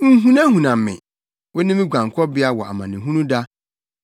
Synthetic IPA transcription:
ŋ̩˦ɦũ˦nã˦ɦũ˨nã˨m˨mɪ̰̃˨ | wɛ˦nɪ̃˦mĩ˦ɡʷã˨ŋ˨kʰɔ˦bɪ˦a˦wɔ˨a̰˨mã˨nɪ̃˨ɦũ˦nũ˦da˦

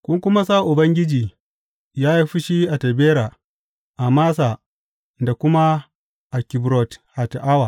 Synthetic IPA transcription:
kʷʊ˦ŋkʷʊ˦ma˦sa˦˨ʔʊ˨bɐ˦ŋɡʲɪ˦d͡ʒiː˨ | jaː˦ji˦ɸi˦ʃi˦ʔa˨tɐ˨beː˦ɾa˨ | ʔa˨maː˦s̬a˨ | nda˨kʷʊ˦ma˦ | ʔa˨kʲɪ˨bɾɔ˨tha˨tʔa˦wa˨

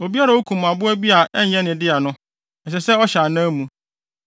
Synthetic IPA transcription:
o˨bi˦a˦ɾa˨wo˦kʰũ˨m˨a˨bʊ˦æ˦bi˦a˨ʔɛ˦ɲ˦ɛ̃˦nɪ̃˨dɪ˦a˨nʊ̃˦ | ɛ˨ɕ̬ɛ˨sɛ˦ɔ˦ɕa˨nã˦mũ˨

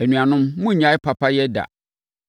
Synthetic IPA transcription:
æ˨nũ˨ã˨nʊ̃˦mmʊ̃˦˨ɲã˨˦ɪ˦pʰa˨pʰa˦jɛ˦da̰˨

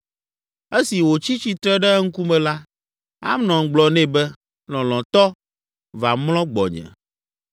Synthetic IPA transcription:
e˦si˨wo˨t͡ɕi˦t͡ɕi˨t̪ɾɛ˦ɖɛ˦ŋ̩˦ku˦mɛ̃˨la˦ | a̰˦mnɔ̃˨ŋ˨ɡ͡blɔ˨nɛ̃˦bɛ˦ | lɔ̃˨lɔ̃˨t̪ɔ˦ | va˨mlɔ̃˦ɡ͡bɔ̰˨ɲɛ̰̃˨

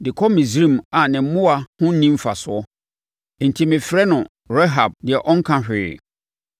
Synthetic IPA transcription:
dɪ˨kʰɔ˦mĩ˨zɾĩ˦˨ma˨nɪ̃˨˦mʊ̃˦a˨hʊ̃˦n˦nĩ˦m˦fa˨sʊ˨ɔ˦˨ | n̩˨tʰi˦mɪ̃˨fɾɛ˦nʊ̃˨ | ɾɛ˦ɦa˨b̚dɪ˨ɛ˨ʔɔ˦ŋ̩˦kʰã˨ɕᶣɪ˨

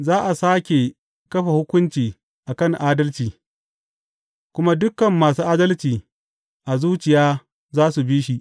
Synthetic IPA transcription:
zaː˦ʔa˨saː˦kʲe˨ | kɐ˦ɸa˨hʊ˦kʷʊ˦nt͡ʃiː˨ | ʔa˨kɐ˦˨ŋʔaː˦dɐ˦lt͡ʃiː˨ | kʷʊ˦ma˦dʊ˦kɐ˨mːaː˨suː˦ʔaː˦dɐ˦lt͡ʃiː˨ | ʔa˨zuː˦t͡ʃɪ˨jaː˦ | zaː˦su˨biː˦ʃi˦ʔ

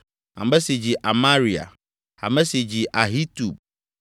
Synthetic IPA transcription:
ã̰˨m˦bɛ˦si˨d͡ʑi˨ʔa˨ma˦ɾi˨a̰˨ | a̰˨mɛ˦si˨d͡ʑi˨ʔa˨ɦi˦tu˨b̚

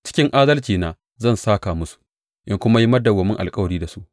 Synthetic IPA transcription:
t͡ʃɪ̥˦kʲɪ˦ŋʔaː˦dɐ˦lt͡ʃiː˨naː˨ | zɐ˦˨nsaː˦kaː˨mʊ˦su̥˨ | ʔɪ˦ŋkʷʊ˦ma˦ji˦mɐ˦dɐ˨ɡɔ˨mɪ˦ŋʔa̰˨lkʼɐ˦wɐ˨ɽiː˦da˨su˦ʔ

